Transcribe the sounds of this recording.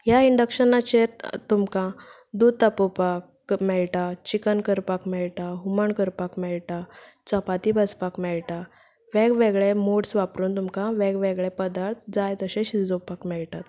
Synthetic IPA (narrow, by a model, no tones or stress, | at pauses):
ɦjaiɳɖəkɕənat͡ɕeɾt̪umkã | d̪ud̪̚t̪əpopak | mɛɭʈat͡ɕikənkəɾpakmɛɭʈaɦuməɳkəɾpakmɛɭʈa | t͡səpat̪ibəspakmɛɭʈa | ʋɛɡʋeɡɭemoɽsʋapɾuːnt̪umkãʋɛɡʋeɡɭepəd̪aɾt̪̚d͡zajt̪əɕẽɕid͡zopakmɛɭt̪at̪